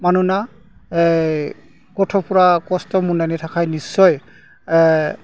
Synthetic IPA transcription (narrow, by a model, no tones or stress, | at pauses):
manuna | kɔtʰɔpʊɹakɔstɔmunanitʰakʰajnisːɔj